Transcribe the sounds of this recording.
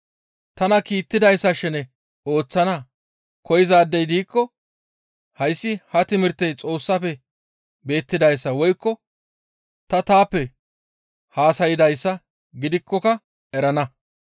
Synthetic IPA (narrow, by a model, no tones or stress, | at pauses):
t̪ɐnɐkiːt̪ːɪd̪ɐjsːɐʃɛnɛ | oːt͡sːɐnɐ | kɔjɪzaːd̪ːɛjd̪iːkːɔ | hɐjsːɪhɐt̪ɪmɪɾt̪ːɛjt͡sʼo̞ːsːɐfɛ | be̞ːt̪ːɪd̪ɐjsːɐwɔjkːɔ | t̪ɐt̪aːpːɛ | haːsɐjɪd̪ɐjsːɐ | ɡɪd̪ɪkʰːɔkɐ | ɛɾɐnɐ